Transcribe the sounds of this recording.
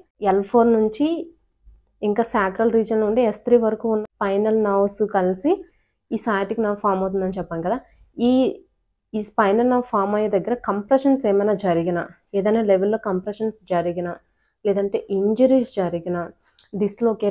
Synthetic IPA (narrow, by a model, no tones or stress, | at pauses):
ɛlpʰoːɾnuɲt͡ʃi | iŋkaːsaːkɾɐlɾiːd͡ʒɐnlouɳɖeest̪ɾiːʋɐɾɐkuːunːɐspɐjnɐlnɐwsukɐlsi | iːsaːjʈikinaːkpʰaːɾmɐwt̪und̪ɐnit͡ʃɛpːaːnikɐd̪aː | iː | iːspɐjnɐlnɐwpʰaːɾmɐjɐd̪ɐɡːɐɾɐkɐmpɾeʃɐnseːmɐjnaːd͡ʒɐɾiɡina | eːd̪ɐneːleʋelːoːkɐmpɾeʃɐnsd͡ʒɐɾiɡina | lɛːd̪ɐɳʈe̞ːʔiɲd͡ʒɐɾiːsd͡ʒɐɾiɡina | d̪isloɔkeː